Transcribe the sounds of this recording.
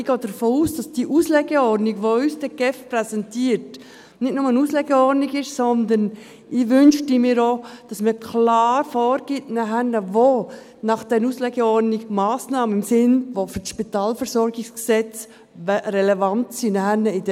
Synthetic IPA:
ɪɡ̥ɑːd̥əɾfoːuːsd̥ɑsd̥iʔuːslɛɡəɔɾdniɡʋoysd̥ɛɡ̥ɛfprɛsɛntiːəɾt | nɪtnʊməənuːslɛɡəɔniɡɪʃsɔndən | ɪʋʏnʃtimiːɾod̥ɑsməkʰlɑːɾfɔːɾɡ̥itnɛɦænəʋo | nɑχd̥ɛnuːslɛɡəɔɾniɡmɑːsnɑːmənɪmsɪnʋofyʃpitɑːlfəɾsɔɾɡɪsksɛt͡s | ʋɛɾɛlɛvɑntsinɛhænəɪd

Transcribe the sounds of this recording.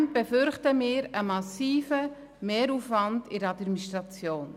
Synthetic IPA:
n̚b̥ɛfʏɾχtəmɪːɾəmɑsiːfə | meːɾuːfvɑndɪɾəɑdmministɾɑt͡sjoːn

